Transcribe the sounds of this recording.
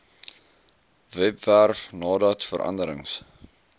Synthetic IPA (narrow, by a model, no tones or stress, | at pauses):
vɛpværfnɑːdɑtfəɾʔɐ̰ndəɾəŋs